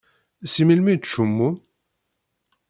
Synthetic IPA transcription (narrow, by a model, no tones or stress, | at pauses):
similmiʃumːu